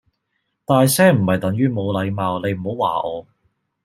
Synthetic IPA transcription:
t̪aː˨˧jsɛː˥m̩˨˩hɐ˨jt̪ɐ˨˥ŋjyː˥mo˨˧wlɐ˨˧jmaː˨˧wne˨˧jm̩˨˩o˨˥wa̰ː˨˩ʔɔː˨˧

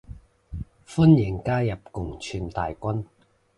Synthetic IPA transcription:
fu˥njɪ˨˩ŋkaː˥jɐ˨p̚kʊ˨˩ŋt͡ʃʰyː˧nt̪aː˨jkʷɐ˥n

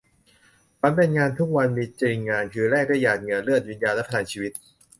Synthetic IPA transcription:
ka˧˥npe˧nŋaː˧nt̪ʰu˦˥k̚wa˧nmiː˧t͡ɕiː˧ŋŋaː˧nkʰɯː˧ɾɛː˥˩k̚dɯː˥˩˨jaː˨˩t̪̚ŋɤ˧˩nɾɯ˥˩ət̪̚wi˦njaː˧nlɛ˦˥pʰa˧aː˨˩˦nt͡ɕʰiː˧wi˦˥t̪̚

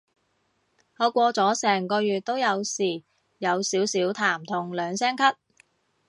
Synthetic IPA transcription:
hɔː˨˧kʷɔː˧t͡sɔː˨˥sɛː˨˩ŋkɔː˧jyː˨t̚t̪o˥wjɐ˨˧wsiː˨˩ | jɐ˨˧wsiː˨˥wsiː˨˥wt̪ʰaː˨˩mt̪ʰʊ˨˩ŋlœː˨˧ŋsɛː˥ŋkʰɐ˥t̚

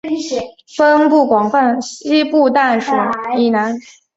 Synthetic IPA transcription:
fə˦˥npu˥˩kwɑ˨˩ŋfa˥˩nɕi˥pu˥˧t̪a˥˩nʂu˨˩˦i˨˩na˧˥n

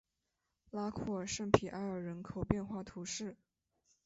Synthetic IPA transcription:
la˥kʰɔ˥˩ə˨˩ʂə˥˧ŋpʰi˨˩ʔa˧˥ɪə˞˨˩ɻə˧˥nkʰo˨˩ʊpjɛ˥˧nxwa˥˩t̪ʰu˧˥ʂɻ̩˥˩

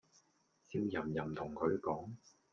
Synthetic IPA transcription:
t͡siː˧wjɐ˨˩mjɐ˨˩mt̪ʰʊ˨˩ŋkʰɵ˨˧ɥkɔː˨˥ŋ

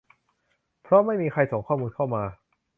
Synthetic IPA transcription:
pʰɾɔ˦˥ma˥˩jmiː˧kʰa˧jso˨˩˦ŋkʰɔː˥˩muː˧nkʰa˥˩wmaː˧

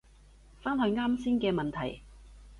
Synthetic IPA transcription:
faː˥nhɵ˧ɥŋaː˥msiː˥nkɛː˧mɐ˨nt̪ʰɐ˨˩j

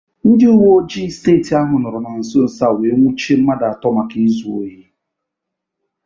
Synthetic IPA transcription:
n̩˦dɪ˦ʊ˦wo˦d͡ʒi˦steː˦˨ti˨a˦ɦʊ˨nʊ˨ɾʊ˨na˨n̩˨sʊ˦n̩˨sa˦˨we˨˦ŋʷʊ˦t͡ʃi˦m̩˦ma˦da˨a˨tɔ˦ma˨ki˦zu˨o̰˦je˦

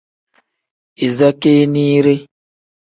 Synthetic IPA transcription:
i˨za˦ke˦niː˦ɾe˦

